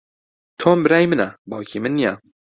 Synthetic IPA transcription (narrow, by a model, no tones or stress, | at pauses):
t̪ʰoːmbɨɾaːjmɨnabawkʰimɨnːija